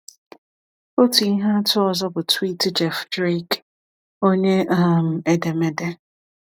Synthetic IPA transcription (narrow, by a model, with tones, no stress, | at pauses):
o˦tu˨i˦ɦa˦tʰʊ˦ɔ˨zɔ˦bʊ˨twi˦tɪ˦d͡ʒɛ˨fdɾe˦k | o˦ɲe˦a˦m̩˨e˦de˨me˨de˦